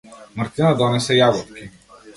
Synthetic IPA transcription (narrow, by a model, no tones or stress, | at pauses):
maɾt̪inad̪ɔnɛsɛjaɡɔt̪kʲi